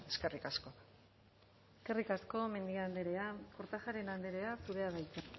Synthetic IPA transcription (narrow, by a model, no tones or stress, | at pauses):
eske̞rikasko̞ | eske̞rikasko̞me̞nd̪iand̪e̞ɾe̞ako̞ɾt̪axaɾe̞nand̪e̞ɾe̞asuɾe̞aðajt͡sen